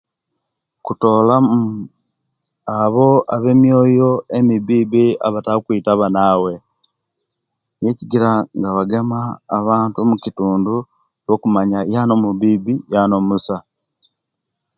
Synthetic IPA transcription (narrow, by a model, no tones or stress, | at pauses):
kuto̞ːlamu | aβo̞aβe̞mjo̞ːjo̞emiβibia̰βataukwitaβanawe̞ | jeciɡiɾaŋɡawaɡe̞maːβaːntumucituːndu | jokumaɲajano̞muβiːbijano̞musa